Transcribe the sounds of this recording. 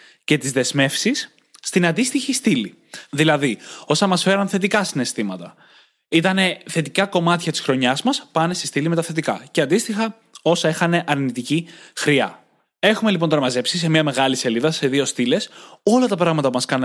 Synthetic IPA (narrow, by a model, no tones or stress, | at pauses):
ce̞t̪izðe̞zme̞fsisː | t̪inɐnd̪ist̪içist̪ili | ðilɐðio̞sɐmɐsfe̞ɾɐnθe̞t̪ikɐsine̞st̪imɐt̪ɐ | it̪ɐne̞θe̞t̪ikɐko̞mɐt̪çɐt̪isxɾo̞ɲɐzmɐspɐne̞sest̪ilime̞t̪ɐθe̞t̪̬ikɐ̰ceɐnd̪ist̪ixɐ | o̞sɐexɐne̞ʔɐɾnit̪icixɾiɐ̰ | e̞xume̞lipo̞nt̪oɾɐmɐze̞psis̬emɲɐme̞ɣɐlise̞liðɐse̞ðio̞st̪ile̞so̞lɐt̪ɐpɾɐɣmɐt̪ɐpumɐskɐn